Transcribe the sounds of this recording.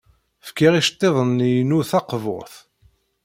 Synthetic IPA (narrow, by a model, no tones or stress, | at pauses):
fkiʁiʃt̪ˤːeðˤənːijnuθɑqvo̰ʁθ